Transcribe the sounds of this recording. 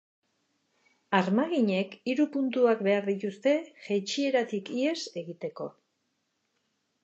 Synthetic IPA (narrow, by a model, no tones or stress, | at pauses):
aɾmaɣiɲe̞kiɾupunt̪uakbe̞aɾðit̪ust̪e̞ʝet͡ʃie̞ɾat̪ikie̞se̞ɣit̪e̞ko̞̰